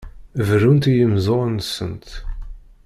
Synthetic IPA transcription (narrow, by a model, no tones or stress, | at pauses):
vɾunt̪ijəmzˤonsːə̰nt̪